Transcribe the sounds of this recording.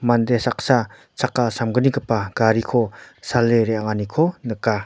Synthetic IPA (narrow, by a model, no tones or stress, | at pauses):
mandesak̚sa | t͡sʰakːasamɡənikəpaɡ̥aɾikʰɔsalːeɾeaŋanikʰɔnəka